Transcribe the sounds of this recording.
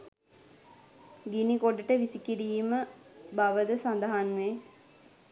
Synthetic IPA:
ɡinikoɖəʈəʋisikiɾiːməbaʋəd̪əsand̪əɦanʋe

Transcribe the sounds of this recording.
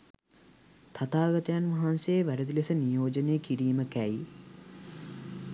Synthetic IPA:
t̪ʰat̪aːɡət̪əjanʋɐɦanseːʋæɾəd̪ilesənijoːd͡ʒənejəkiɾiːməkæj

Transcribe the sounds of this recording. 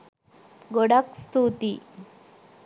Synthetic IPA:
ɡoɽakst̪ut̪i

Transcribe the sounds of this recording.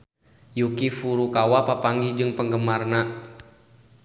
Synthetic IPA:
jukifuɾukawapapaŋɡid͡ʒɨŋpəŋɡəmarna

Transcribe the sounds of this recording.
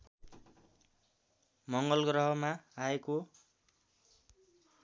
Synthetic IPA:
mʌŋɡʌlɡrʌɦʌmaaeko

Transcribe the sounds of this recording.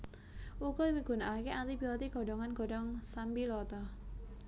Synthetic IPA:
ʔukɔmiɡ̥ṳnaakeant̪ibiɔt̪iɡ̥ɔ̤ɖɔŋanɡ̥ɔ̤ɖɔŋsambilɔt̪ɔ

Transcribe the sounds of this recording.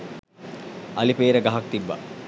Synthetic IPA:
ʔɐlipeːɾəɡɐɦak̚t̪ibːa̰

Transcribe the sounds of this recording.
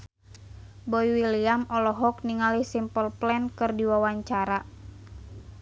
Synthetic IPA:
bɔiwiliamɔlɔɦɔk̚niŋalihsimpɔlplɛnkɨrdiwawaɲt͡ʃaɾa

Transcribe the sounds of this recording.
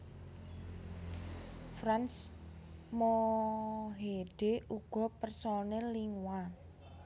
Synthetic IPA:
fɾans | mo | ɦeɖ̥euɡ̥ɔ̤pərsonɛlːiŋwa

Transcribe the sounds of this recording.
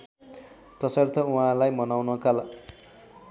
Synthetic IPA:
t̪ʌsʌrt̪ʰʌuɦãlajmʌnawnʌkala

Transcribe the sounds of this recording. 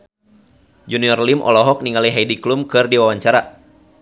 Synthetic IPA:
d͡ʒuniɔrlimʔɔ̰lɔɦɔk̚niŋaliɦajdiklumkɨrdiwawaɲt͡ʃaɾa

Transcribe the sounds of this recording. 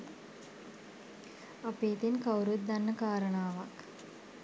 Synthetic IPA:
apeːt̪inkawɾut̪̚d̪anːəkaːɾənaːʋak

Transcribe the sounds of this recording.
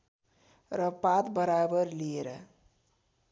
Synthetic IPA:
ɾʌpat̪bʌɾabʌɾlieɾʌ̰

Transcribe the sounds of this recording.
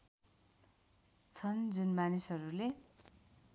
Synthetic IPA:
t͡sʰʌnd͡zunmanisɦʌɾule

